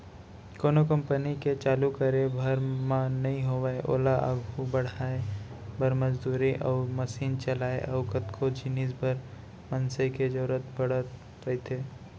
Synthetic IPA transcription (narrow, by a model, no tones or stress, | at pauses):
koːnokə̃mpəniket͡ʃaːlukəɾebʱɐɾmãnɐɦĩɦoʋaeʔo̰ːlaʔə̰ɡʱubɐɽ̤aːebɐɾməd͡ʒd̪uːɾiʔɔːɾməsiːnt͡ʃɐlaːḛʔɐʊkət̪kʰod͡ʒiniːsbʱəɾ | mɐnseked͡ʒɐːɾət̪bɐɽ̤ət̪ | ɾɐit̪ʰeː